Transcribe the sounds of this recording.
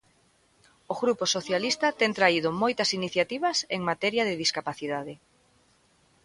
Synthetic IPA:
oɣɾuposoθjalist̪ɐt̪ɛŋt̪ɾaið̞ʊmojt̪ɐsiniθjat̪iβ̞ɐseŋmat̪ɛɾjɐðɪðiskapaθiðaðɪ

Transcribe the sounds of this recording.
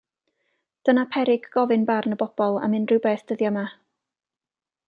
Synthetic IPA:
d̥ənapʰɛɾɪɡɡ̥ɔvɪnbarnəbɔb̥ɔlˠa̰mɪnrɨwbɛːθd̥əðjama

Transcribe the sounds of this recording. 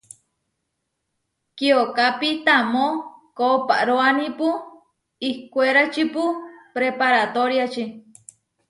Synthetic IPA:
kiokapit̪amõkopaʔɾoanĩpu | ihkʷueɾat͡ʃipupɾepaɾat̪oɾjat͡ʃi

